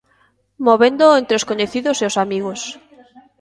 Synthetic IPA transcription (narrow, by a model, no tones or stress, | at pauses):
moβend̪oent̪ɾeoskoɲeθiðoseosamiɣ̞os